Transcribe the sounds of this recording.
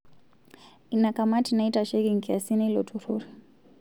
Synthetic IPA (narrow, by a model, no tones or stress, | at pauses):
inakamatinaitaʃɛɡiŋ̩kiasiniilɔ̰tʰuɾṵɾi